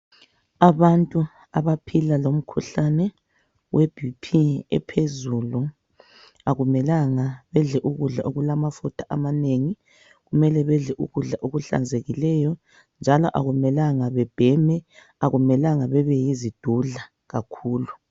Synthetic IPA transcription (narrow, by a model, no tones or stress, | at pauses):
aβantʼu | aβapʰilalom̩kʰuɬanɛ | wɛb̥ʱipʰiɛ̰pʰezulu | aɣumɛlaŋaβɛɮɛʔuɣuɮa̰ʔoɣulamafutʰaʔamaneŋi | ɣumɛlɛβɛɮɛʔuɣuɮaʔoɣuɬa̰nd͡zʱeɣilɛjɔ | nd͡ʒʱalɔ̰ʔaɣumɛlaŋaβɛb̥ʱɛmɛ | aɣumɛlaŋaβɛβɛjizid̥ʱuɮa | ɣakʰuːlu